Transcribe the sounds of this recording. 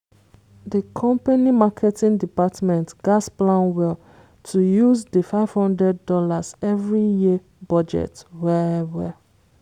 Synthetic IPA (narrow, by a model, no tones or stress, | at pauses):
dəkʰɔ̃mpanimakʰɛtĩndipatmɛ̃ntɡ̥asplãnwɛl | tʰujuzdəfaɪv̥hɔ̃ndɹɛdːɔlazɛvɹiji | bɔd͡ʒɛ̰twɛɛvɛ